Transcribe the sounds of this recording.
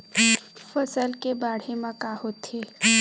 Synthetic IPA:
fəsəlkebaːɽ̤emãkahot̪eː

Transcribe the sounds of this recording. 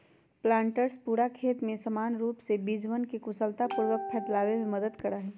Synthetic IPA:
plãːɳʈəɾspuːɾakʰeːt̪mẽsɐmaːnɾuːpsebid͡ʒwənkikʊsəlt̪apʊɾʋəkpʰɛːt̪laːwemẽmɐd̪əd̪kɐɾaɦɛː

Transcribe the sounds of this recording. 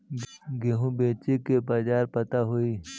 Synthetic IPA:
ɡeɦũbeːt͡ʃekebaːd͡ʒaːɾpɐt̪aɦoiː

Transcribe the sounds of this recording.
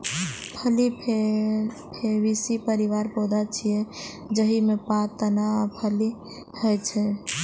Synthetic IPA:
pʰəlipʰe | pʰeʋisipəɾiʋaɾpod̪at͡ʃʰije | d͡ʒəɦimepãt̪ənapʰəli | həjt͡ʃʰɛ

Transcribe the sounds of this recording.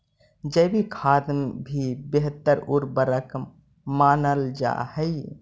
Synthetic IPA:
d͡ʒəbʱikʰaːd̪mbʱibeɦt̪əɾuɾbəɾək | maːnəld͡ʒa̰ːɦəj

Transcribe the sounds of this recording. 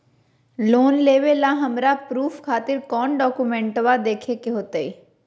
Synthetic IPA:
loːnleːʋelaɦəmɾapɾuːpʰkʰaːt̪ɪɾkɔːnɖɔːkumɛ̃ːɳʈʋad̪eːkʰekeɦoːt̪eiː

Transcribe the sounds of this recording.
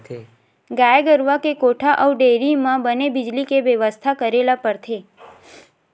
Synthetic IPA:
ɡajeɡəɾʋakekoʈʰaʔəwɖeɾimãbənebid͡ʒlikeʋjəʋəst̪ʰakəɾelapəɾt̪ʰe

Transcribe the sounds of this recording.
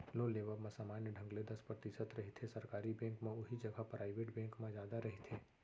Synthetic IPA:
lõleːʋəmẽsaːmaːnjəɖʱə̃ŋɡled̪ɐspɾət̪ɪsət̪ɾɐɦit̪ʰesɐɾkaːɾibẽːŋkmẽʊɦid͡ʒɐɡapɾʔaːɪʋeːʈbɛ̃ːŋkmẽd͡ʒjaːd̪aɾɐɦit̪ʰeː

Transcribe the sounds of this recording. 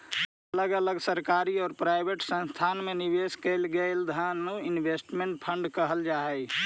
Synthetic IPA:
ələɡələɡsəɾkaɾiɔːɾpɾaɪbʱeʈsə̃nst̪ʰanmenibeskəɪlɡəɪld̪ʱanoɪnbʱesʈmẽɳʈ̚pʰə̃ɳɖkəɦəld͡ʒaɛ

